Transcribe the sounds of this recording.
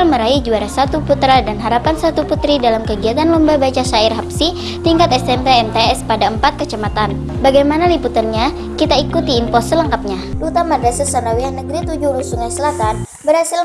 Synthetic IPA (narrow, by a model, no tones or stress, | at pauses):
alməɾaid͡ʒuaɾahsat̪uput̪ɾadanɦaɾapansat̪uput̪ɾidalamkəɡiat̪anlɔmbabat͡ʃasairɦapsi | t̪iŋkat̪ɛsɛmpeɛnt̪eɛspadaəmpat̪̚kət͡ʃamat̪an | baɡajmanaliput̪ərɲa | kit̪aikut̪iːnpɔsələŋkap̚ɲadut̪amadasarsanawiahnəɡɾit̪ud͡ʒuɾusuŋasəlat̪an̚ | bəɾhasɪl